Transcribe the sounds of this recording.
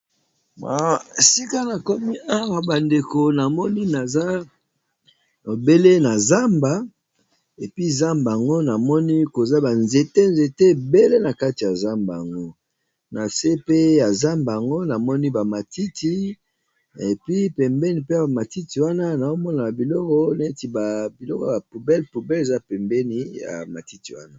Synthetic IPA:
ba˨si˦ka˦na˨kɔ˦mi˦ʔa˦wa˨ba˨nde˨ko˨na˨mɔ˦ni˦na˨za˦ | o˨be˦le˦na˨za˦mba˨ | e˨pi˦za˦mba˨a˨ŋɡo˦na˨mɔ˦ni˦ko˨za˦ba˨nze˨te˦nze˨te˦˨be˦le˦na˨ka˦ti˨ja˨za˦mba˨ja˨ŋɡo˦ | na˨se˦pe˦ja˨za˦mba˨a˨ŋɡo˦na˨mɔ˦ni˦ba˨ma˨ti˦ti˦ | e˨pi˦pɛ˨mbɛ˦ni˨pe˦ja˨a˨ma˨ti˦ti˨wa˦na˦na˨o˦mɔ˦na˨bi˨lɔ˦kɔ˦na˨e˦ti˨ba˨bi˨lɔ˦kɔ˦˨ba˨pu˨bɛ˦lpu˨bɛ˦le˨za˦pɛ˨mbɛ˦ni˨ja̰˨ma˨ti˦ti˨wa̰˦na˦

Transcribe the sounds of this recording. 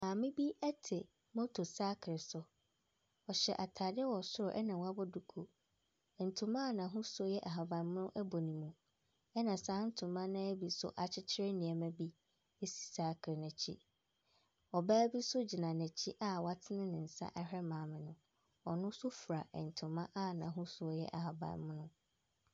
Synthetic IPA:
mãː˨mɪ̃˦bi˦ɛ˦tʰɪ˨ | mɔ̃˦tʰo˨saː˦kʰɾɪ˨sʊ˦ | ɔ˨ɕɛ˨ʔa˨tʰaː˨dɪ˦ɛ˦wɔ˨sʊ˦ɾʊ˨ʔɛ˦nã˨wa˦bʊ˦du˨kʰo˨ | ɛ˨n̩˨tʰʊ̃˨mã˦˨nã˨ɦʊ̃˦sʊ˦jɛ˦ʔa˨ɦa˨bã˨n˦mʊ̃˦ʔɛ˦bo˨nĩ˨mũ˨ | ɛ˦nã˨sãː˦n̩˦tʰʊ̃˨mːã˦nã˦ɛ˦bi˨sʊ̰˦ʔa˨t͡ɕʰɪ˦t͡ɕʰɪ˦ɾɪ˦nĩ˨ɛ˨mɛ̃˦bi˦ | e˦si̥˨saː˨˦kʰɾɪ˨nɛ̃˨t͡ɕʰḭ˦ | ɔ˨baː˦bi˦sʊ˦d͡ʑi˨nã˨nɛ̃˨t͡ɕʰi˦ʔa˦wa˦tʰɪ˦nɪ̃˦nɪ̃˨n̩˨sa̰˦ʔɛ˦hɾɛ˦mãː˨˦mɪ̃˨nʊ̃˨ | ɔ˨nʊ̃˦sʊ˦fu˨ɾa˨ɛ˨n̩˨tʰʊ̃˨mã˦ʔa˦nã˨ɦʊ̃˦sʊ˦ɔ˨jɛ̰˦ʔa˨ɦa˨bã̰˨mʊ̃˦nʊ̃˦

